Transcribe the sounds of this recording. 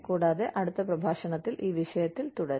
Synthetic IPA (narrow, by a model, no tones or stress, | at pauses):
kuːɽaːðe̞ʔɐɽut̪ːɐprɐbʱaːʂɐɳɐt̪ːilʔiːʋiʂɐjɐt̪ːilt̪uɽɐɾ